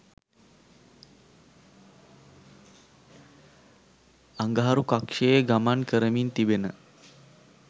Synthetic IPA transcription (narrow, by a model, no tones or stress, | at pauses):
aŋɡaɦaɾukakʂejeɡamankəɾəmint̪ibenə